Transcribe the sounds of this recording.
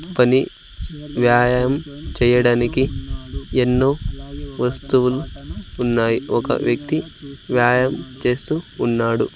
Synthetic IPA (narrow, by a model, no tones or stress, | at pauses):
pɐni | ʋjaːjɐmt͡ʃɛːjɐɽaːniki | enːoːʋɐst̪uʋuluːnːaːjiʔɔkɐ̰ʋjɐk̚t̪iʋjaːjɐmt͡ʃe̞ːst̪uːnːaːɽu